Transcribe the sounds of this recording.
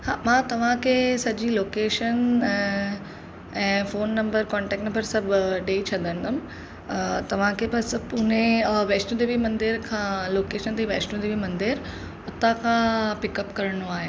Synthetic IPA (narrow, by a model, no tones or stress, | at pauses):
haːmãːt̪ɐʋ̤ãkʰeːsɐd͡ʑiloːkeːʃənɛ̃ | ɛ̃ːfoːnːɐ̃mbəɾkɔ̃ːɳʈɛːkʈnɐmbəɾsɐbɖeːit͡ɕʰɐd̪ə̃nd̪əm | t̪ɐʋ̤ãkʰeːbɐspʊnẽʋeːt͡ʃʈũd̪eːbʱimɐ̃nd̪ɪɾkʰãloːkeːʃənt̪iʋeːt͡ʃʈũd̪eːbʱimɐ̃nd̪ɪɾ | ʊt̪akʰãpɪkɐpkɐɾɽ̃oaːɦe